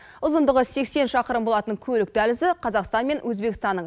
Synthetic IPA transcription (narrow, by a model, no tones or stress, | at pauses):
ʊzənd̪əʁəse̞kse̞nʃɑqəɾəmbo̞lˠɑt̪əŋkʲʰɵlɪk̚t̪ælɪzɪqʰɑzɑqst̪ɑnme̞nwʔɵzbe̞kʲɪst̪ɑnːə